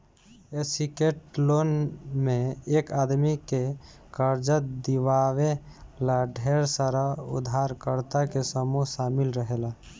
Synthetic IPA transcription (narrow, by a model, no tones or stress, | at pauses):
esikeʈlonmeːkad̪mike | kəɾd͡ʒət̪̚d̪iʋawelaɖʱeɾsəɾaṵd̪ʱaɾkəɾt̪akesəmuɦsamilɾəɦela